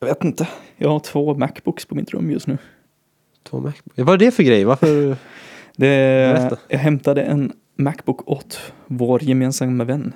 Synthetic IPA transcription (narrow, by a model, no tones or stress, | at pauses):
ɑveːt̪ɪnt̪əjɑ̰ːɡhaʈʰvoːmækːbʊkspʰɔmɪt̪ːɾɵ̰mːjɵ̰st̪nʉ̟ː | t̪ʰvo̰ːmækbʊkvaɖɛfœɡɾɛjvaɾfœɾ | d̪ɛ | jɑɡɦɛmt̪ad̪əʔɛn | mækbʊkʰːɔt̪voːɾjɛmeːnsamːavɛnː